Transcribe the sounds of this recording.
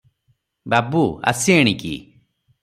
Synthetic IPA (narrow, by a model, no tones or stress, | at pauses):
babua̰sieɽ̃ikḭ